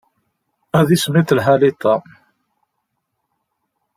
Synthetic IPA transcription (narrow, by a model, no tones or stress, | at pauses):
æðismiθlɦalit̪ˤɑ